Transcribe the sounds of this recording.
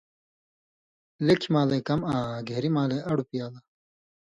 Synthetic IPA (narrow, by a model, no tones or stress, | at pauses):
lekʰimãːleːkɐmãːɡʱeɾimãːleːʔɐɽupijaːlaː